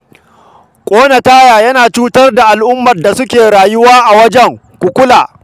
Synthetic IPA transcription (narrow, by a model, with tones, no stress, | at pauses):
kʷʼoː˦nɐ˨taː˦jaː˨jɐ˦naː˨t͡ʃuː˦tɐ˦rda˨ʔa˨lʔʊ˦mːɐ˨rda˨sʊ˦kʲeː˨ɾaː˨jʊ˦waː˦ʔa˨wɐ˦d͡ʒɛ˦ŋ | kʷu˨kʷʊ˦laː˨